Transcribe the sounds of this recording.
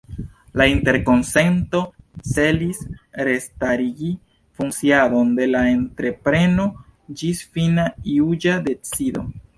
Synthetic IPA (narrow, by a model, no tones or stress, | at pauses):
lainte̞ɾko̞nse̞nto̞se̞lisɾe̞staɾiɡi | funt͡siado̞nde̞laentɾe̞pɾe̞no̞d͡ʒisfinaiud͡ʒade̞t͡sido̞̰